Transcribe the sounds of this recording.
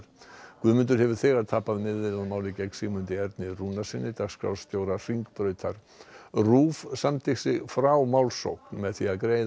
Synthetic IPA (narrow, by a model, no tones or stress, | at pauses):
ɾkvʏðmʏnt̪̬ʏɾhɦɛvʏɾ̥θɛːɣaɾ̥t̪ʰaːhpːaðmɪðːɪlaðmaːwlɪcɛksiːɣmʏnt̪ɪɛɾt̪nɪrunasɪnːɪt̪aɣskɾa̰w̪st̪jowɾar̥iŋkpɾœːɥt̪ʰaɾ̥ | ruːvsamt̪ʰeksɪɣfɾawmawlso̰wknmɛðθiaðkɾeːj